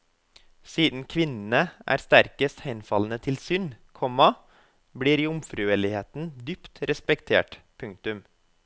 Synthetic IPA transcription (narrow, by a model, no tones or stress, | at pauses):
siːd̪n̩kʰʋɪnn̩əʔæ̰ːɾst̪æɾkəst̪hæɪnfɑln̩ət̪ʰɪlsʏnkʰɔmɑ | bɽiːɾiːʊmfɾʉːɛlɪheːt̪n̩d̪ʏpt̪ɾɛspɛkt̪ʰḛːʈpʰʉŋk̚t̪ʉm